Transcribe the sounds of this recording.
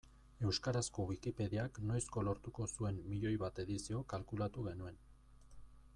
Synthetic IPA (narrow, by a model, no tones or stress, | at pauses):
e̞wskaɾasko̞βikipe̞ðiaknojsko̞lo̞ɾt̪uko̞sue̞nːiʎo̞jβat̪e̞ðisio̞kalkulat̪uɣe̞nue̞n